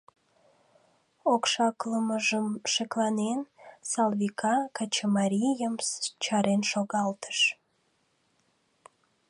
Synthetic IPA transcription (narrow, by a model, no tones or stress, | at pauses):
okʃɑkləməʒəmʃeklɑnensɑlβikʰɑkɑt͡ɕəmɑɾʲijəmt͡ɕɑɾenʃoɣɑlt̪ə̥ʃ